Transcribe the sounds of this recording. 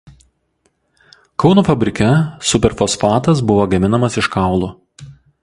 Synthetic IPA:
kɒʊnuːfɐbʲɾʲɪkʲɛsʊpʲɛɾfosfɑːt̪ɐs̬bʊʋoːɡɐmʲɪnɐmɐsɪʃkɑˑʊlˠuː

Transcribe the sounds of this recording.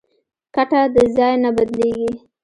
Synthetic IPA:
kaʈad̪əzɑjnabad̪leɡi

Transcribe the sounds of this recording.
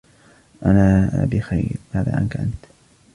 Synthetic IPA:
ʔanaːbɪxa̰jɾmaːða̰ːʔa̰nkaʔant̪

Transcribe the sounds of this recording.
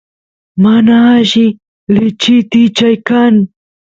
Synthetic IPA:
manaʒi | let͡ʃit̪it͡ʃajkan

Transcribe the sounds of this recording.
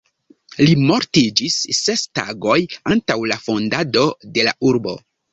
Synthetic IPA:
limo̞ɾtid͡ʒisːe̞sta̰ɡo̞jantawlafo̞ndado̞de̞laʔuɾbo̞̰

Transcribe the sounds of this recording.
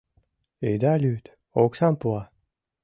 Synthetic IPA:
ed̪alyt̪ | oksãpwa

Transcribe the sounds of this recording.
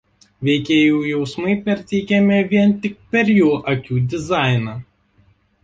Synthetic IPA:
ʋʲɛɪkʲeːjuːjɛʊsmɐɪpʲɛɾʲt̪ʲɛɪkʲɛmʲɪʋʲiɛnt̪ʲɪk̚pʲɛɾjuːʔɐkʲuːd̪ʲɪzɑˑɪnɑː

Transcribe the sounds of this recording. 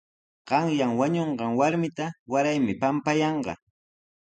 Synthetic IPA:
ɢ̥ɑŋjaŋwaɲoɴɢɑŋwaɾmɪt̪awaɾajmɪpampajɑɴɢɑ̰

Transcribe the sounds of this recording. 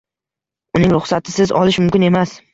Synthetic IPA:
ʊnɪŋɾʊχsat̪ʰɪ̥sɪzɒ̰lɪʃmʊmkʲɪne̞mas

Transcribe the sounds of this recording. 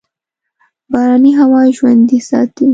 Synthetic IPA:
bɑɾɑniɦawɑʒwand̪isɑ̰t̪i

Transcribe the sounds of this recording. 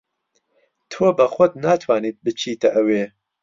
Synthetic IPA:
t̪ʰoːbɐxʷʊd̪̚naːt̪ʰwaːniːt̪̚bɨt͡ʃʰiːt̪ɐʔɐweː

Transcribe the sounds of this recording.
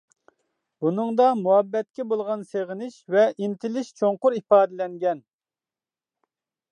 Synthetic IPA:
bunɨŋd̪ɑmuɑbːɛt̪̚kʲɛbolˠʁɑnseʁɪnɪʃvɛʔint̪ʰɪlɪʃt͡ʃʰoŋqʊɾipɑːd̪ɪlɛŋɡʲɛn

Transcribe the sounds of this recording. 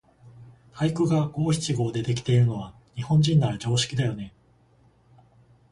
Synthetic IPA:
haikɯ̟ɡaɡo̞ːçʲi̥t͡ɕiɡo̞ːd̪e̞t̪e̞kʲi̥t̪e̞iɾɯ̟no̞βa | ɲ̟ihõ̞ɲ̟d͡ʑĩnːaɾad͡ʑo̞ːɕi̥kʲid̪ajo̞ne̞

